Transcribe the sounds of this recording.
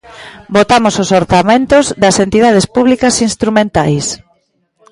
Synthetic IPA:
bot̪amososoɾθamẽnt̪ozðɐsent̪iðað̞espuβlikɐsinst̪ɾumẽnt̪ajs

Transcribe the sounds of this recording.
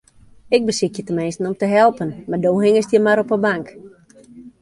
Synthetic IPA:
ɪk̚bəsɪkjətəmɛjsnɔmtəɦɛlˠpənmardoːɦɪŋəstjəmaɾɔpəbaŋk

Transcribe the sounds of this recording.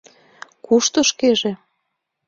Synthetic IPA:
kuʃt̪oʃkeʒe

